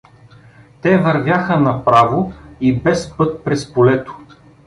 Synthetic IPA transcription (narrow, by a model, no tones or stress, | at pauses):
t̪ɛvɐɾvʲjaxənɐpɾavoibɛspɤt̪̚pɾɛspolɛt̪o̥